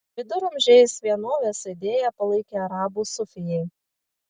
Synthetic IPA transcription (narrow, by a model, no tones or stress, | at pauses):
ʋʲɪd̪ʊɾʊmʲʒʲɛɪsʋʲiɛnoːʋʲeːsʲɪd̪ʲeːjɛpɐlˠɐɪkʲeɐɾɑːbuːsʊfʲɪjɛɪ